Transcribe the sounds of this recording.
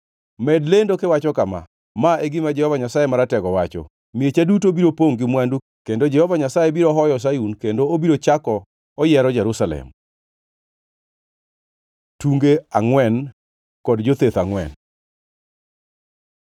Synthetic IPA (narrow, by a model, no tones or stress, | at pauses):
mɛdlendokewat͡ʃɔkama̰ | maeɡɪmad͡ʒɛhɔvaɲasajemaɾatɛɡɔwat͡ʃɔ̰ | miet͡ʃadut̬obiɾopoŋɡɪmwandu | kendod͡ʒɛhɔvaɲasajebiɾɔɦɔjɔs̬ajunkendoobiɾot͡ʃakɔː | jɛɾɔd͡ʒɛɾusalɛ̰m | tuŋɡeaŋwɛn | kɔdd͡ʒot̪et̪aŋwɛ̰n